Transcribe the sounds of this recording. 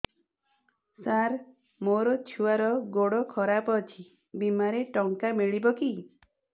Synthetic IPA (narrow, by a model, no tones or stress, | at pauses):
saɾ | moɾɔt͡ʃʰuaɾɔɡoɽɔkʰɔɾapɔt͡ʃʰi | bimaɾeʈɔŋkamiɭibɔki